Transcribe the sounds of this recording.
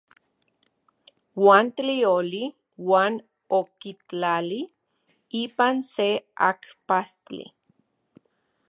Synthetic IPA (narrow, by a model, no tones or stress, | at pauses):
waːnt̪lioli | waːn | okit͡ɬali | ipansea̰kpastḭ